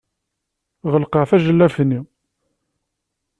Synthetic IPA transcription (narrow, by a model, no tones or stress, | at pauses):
ʁəlqɑʕθæʒəlːæfnːi